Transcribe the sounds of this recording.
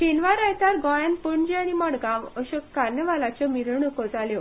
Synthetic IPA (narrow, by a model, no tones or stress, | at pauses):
ɕenʋaɾajt̪aɾɡɔjanpəɳd͡ʑaɽ̃imɔɽɡãʋəɕəkkaɾnjəʋalat͡ɕɔmiɾəɳəkəd͡zaljɔ